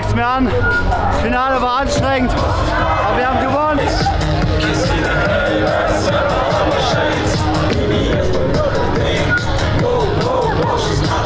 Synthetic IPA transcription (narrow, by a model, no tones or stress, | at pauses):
ktmiɐan | sfinaːləvaːanʃtʁ̥ɛŋt | abɐviɐhaːbmɡəvoːn